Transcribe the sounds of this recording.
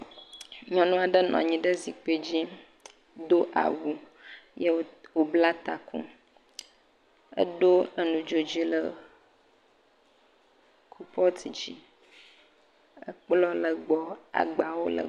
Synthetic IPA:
ɲɔ̃˨nũ˦a˨ɖə˦nɔ̰̃˨a˨ɲĩ˦ɖə˦zi˨k͡pe˦d͡ʑi˦ | d̪o˦ʔa̰˨wu˦ | je˦wo˨bla˦t̪a˨kṵ̃˦ | ə̰˦ɖo˦ə˦nũ˨d͡ʒo˨d͡ʑi˦lə˨ | kʰu˦pɔ˦t̪ʰi˨d͡ʑḭ˦ | ə˦k͡plɔ˦lə˨ɡ͡bɔ˦a̰˨ɡ͡ba˨wo˦lə̰˨

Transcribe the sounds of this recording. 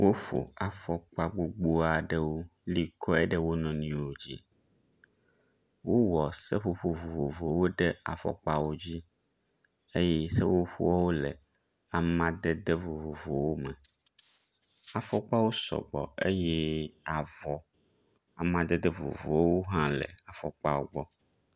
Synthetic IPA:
wʔo˦fo̰˨a˨fɔ˦k͡pa˦ɡ͡bo˨ɡ͡bo˦a˨ɖɛ˦wo˦li˦kʰɔ˦ɛ˦ɖɛ˦wo˦nɔ̃˨nĩ˨wo˨d͡ʑi˦ | wo˦wɔ˨sɛ˦ɸo˨ɸo˨vo˨vo˨vo˨wo˦ɖe˦a̰˨fɔ̰˨k͡pa˦wo˦d͡ʑi˦ | e˦jɛ˦sɛ˦wo˦ɸu˦ɔ˦wo˦lɛ̰˨ | a˨mã˦d̪ɛ˦d̪e˦vo˨vo˨vo˨wo˦mɛ˨ | a˨fɔ˦k͡pa˦wo˦sɔ̰˨ɡ͡bɔ̰˨e˦jɛ˦a˨vɔ˨ | a˨mã˦d̪ɛ˦d̪ɛ˦vo̰˨vo̰˨ɔ˦wo˦ɦã˦lɛ̰˨a˨fɔ̰˨k͡pa˦wo˦ɡ͡bɔ˦

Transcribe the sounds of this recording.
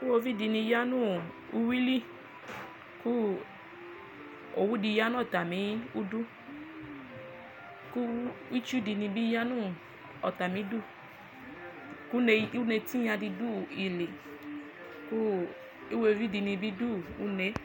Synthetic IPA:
i˦wo˧vi˦di˧nĩ˧ja˦nũ˦˨ | u˧wi˦li˦ | ku˦ | o̰˨wu˦di˧ja˦n˦ɔ˦˨ta˨mĩ˨˦u˦du˦ | ku˦i˦t͡ʃu˦di˧nĩ˧bi˦ja˦nũ˦˨ | ɔ˨ta˨mĩ˨˦du˦˨ | ku˦ne˧˦u˦ne˧ti˦ɲa˧di˧du˦i˨le˨ | ku˦ | i˦wo˦˧˨vi˦di˧nĩ˧bi˦du˦˨u˦ne˧˦

